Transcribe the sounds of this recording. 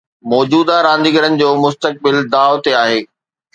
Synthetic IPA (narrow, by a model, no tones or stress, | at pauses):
mɔːd͡ʑuːd̪aɾãːn̆d̪ɪɡəɾənɪ̆d͡ʑoːmʊst̪ək̚bɪld̪aːot̪eaːɦeː